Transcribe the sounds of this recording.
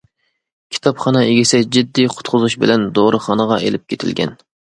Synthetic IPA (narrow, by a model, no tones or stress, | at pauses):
kʲʰi̥t̪ʰɑpχɑnɨeɡʲɪsɛd͡ʒid̪ːiqʰʊ̥t̪qʰʊzuʃbɪlɛnd̪oɾɨχɑnəʁɑʔelɪp̚kʲʰet̪ʰɪ̰lɡʲɛ̰n